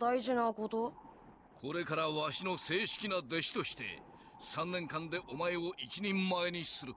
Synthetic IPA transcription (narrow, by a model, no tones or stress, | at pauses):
d̪aiʑinako̞t̪o | kʰo̞ɾe̞kaɾaβaɕino̞se̞ːɕi̥kʲinad̪e̞ɕi̥t̪o̞ɕi̥t̪e̞̰ | sãnːẽ̞ŋkãnd̪e̞ʔo̞maeo̞ʔit͡ɕiɲ̟ĩmːae̞ɲ̟isɨɾɯ̟